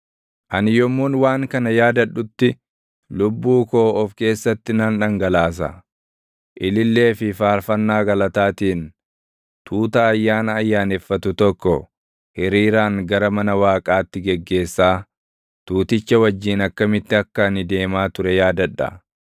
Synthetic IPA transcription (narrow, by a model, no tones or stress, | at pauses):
ʔɐnɪjɔmːuːnwaːŋkɐnɐjaːd̪ɐᶑːʊt̪ːɪ | lʊbːuːko̞ːɔfke̞ːsːɐt̪ːɪnɐnᶑɐŋɡɐlaːs̬ɐ̰ | ʔɪlɪlːe̞ːfɪfaːɾfɐnːaːɡɐlɐt̪aːt̪iːn | t̪ʰuːt̪ɐːjːaːnɐːjːaːnɛfːɐt̪ʊt̪ɔkːɔ | hɪɾiːɾaːŋɡɐɾɐmɐnɐwaːkʼaːt̪ːɪɡɛɡːe̞ːsːaː | t̪uːt̪ɪt͡ʃːɐwɐd͡ʒːiːnɐkːɐmɪt̪ːɪɐkːɐɐnɪd̪e̞ːmaːt̪ʊɾɛjaːd̪ɐᶑːɐ̰